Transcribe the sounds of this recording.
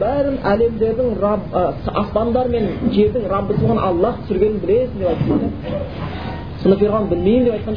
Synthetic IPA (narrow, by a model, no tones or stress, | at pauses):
bæɾɪnʔæle̞md̪e̞ɾd̪ɪŋɾ | ɑspɑnd̪ɑɾme̞nʒe̞ɾd̪ɪŋɾɑbːəsəlˠʁənʔɑlˠːɑt̪ʰʏsɪɾɡʲe̞nɪnbɪle̞sɪnd̪epɑjt̪ed̪ɪ | sənəpeɾʁɑnəbɪlmejɪnd̪epɑjt̪̚qɑn